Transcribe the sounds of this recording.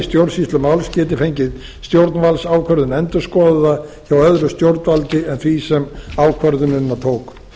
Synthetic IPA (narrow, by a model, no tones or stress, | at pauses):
st̪jowɾsist̪lʏmawlscɛːt̪ɪfejɲcɪð | st̪jowɾt̪nvalsaːwkʰœɾðʏnɛnt̪ʏ̥skɔːðaðaçawœðɾʏst̪jowɾt̪nvalt̪ɪɛnθvisɛmaːwkʰvœɾðʏmɪnnːat̪ʰoːwk